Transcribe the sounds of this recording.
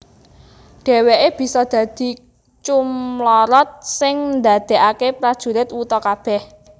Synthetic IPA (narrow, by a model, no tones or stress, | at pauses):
ɖ̥e̤weʔeb̥i̤sɔd̪̥ä̤d̪̥i̤ | t͡ʃumlɔɾɔt̪̚sɪŋnd̪a̤d̪̥e̤ʔakepɾad̥ʒ̥ṳlɪt̪wut̪ɔkab̥ɛh